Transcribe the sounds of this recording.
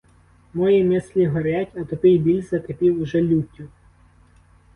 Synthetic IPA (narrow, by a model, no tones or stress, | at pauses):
mɔjimɪsʲlʲiɦɔɾʲatʲɐt̪ɔpɪjbʲilʲzɐt̪epʲiwʊʒɛlʲutʲːʊ